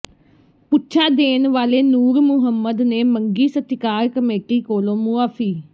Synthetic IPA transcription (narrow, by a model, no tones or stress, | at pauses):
pʊtːt͡ʃʰaːd̪eːnʋaːleːnuːɾmʊɦəmːəd̪neːməŋɡiːsət̪ːɪkaːɾkəmeːʈiːkoːlõːmuːaːfʰiː